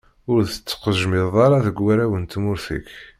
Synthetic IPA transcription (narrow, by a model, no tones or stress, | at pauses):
ʊɾðət͡sːqəʒmɪðˤɑɾˤɑðəɡwæɾæwənt̪mʊɾθḭk